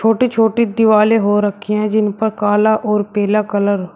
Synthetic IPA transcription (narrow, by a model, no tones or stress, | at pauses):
t͡ʃʰoːʈiːt͡ʃʰoːʈiːd̪ɪʋaːleːɦoːɾəkʰːiɛ̃ːd͡ʒɪnpəɾkaːlaːʔɔːɾpɛːlaːkələɾ